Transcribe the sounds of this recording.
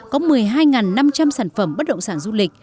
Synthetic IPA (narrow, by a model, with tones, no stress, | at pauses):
kɔ˨˦mɨ˨˩əjɦaː˧jŋaː˨˩nːa˧mt͡ɕa˧msaː˧˩nfə˧˩mɓə˦˥t̚ɗə̰˧˨wŋ͡msaː˧˩nzu˧lï˨˩k̟̚